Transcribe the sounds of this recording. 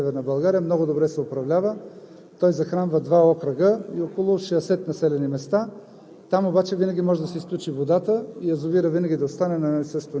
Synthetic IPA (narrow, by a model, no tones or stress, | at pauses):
ɛvɛɾnɐbɐlˠɡaɾijəmnɔɡʊd̪obɾɛsɛopɾɐvlʲavə | t̪ɔjzɐxɾanvəd̪vaɔkɾəɡəiɔkolˠʊʃɛɛsɛt̪nɐsɛlɛnimɛst̪a | t̪amobat͡ʃɛvinɐɡʲimɔʒɛd̪ɐsɛisklʲut͡ʃivod̪at̪əiɐzʊviɾəvinɐɡʲid̪ɐost̪anɛnɐnsəst̪vo